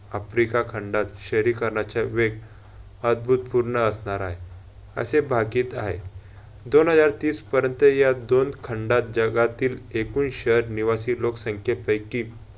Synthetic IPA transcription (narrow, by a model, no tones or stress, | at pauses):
əfɾikakʰəɳɖat̪ɕəɾikəɾɳat͡ɕjaʋeɡ | əd̪̚bʱut̪puɾɳəəsɳaɾaɦe | ə̰sebʱakiːt̪a̰ɦḛ | d̪onɦəd͡zaɾt̪iːspəɾjənt̪əjad̪onkʰəɳɖat̪̚d͡zəɡat̪iːlekuːnɕəɾniʋasiːloksəŋkʰjepəjkːiː